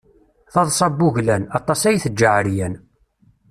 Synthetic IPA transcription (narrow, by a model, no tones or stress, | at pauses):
θɑðˤsˤɑbːuʝlænɑt̪ˤːɑsæjθəd͡ʒːəʕɾjæn